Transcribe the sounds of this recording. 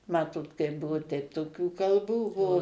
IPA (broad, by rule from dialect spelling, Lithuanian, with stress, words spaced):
ˈmɑːtoːt kɐɪp ˈbʊʋʊ tʲɛɪp toːˈkʲuː kɐlˠˈbuː ˈbuɔ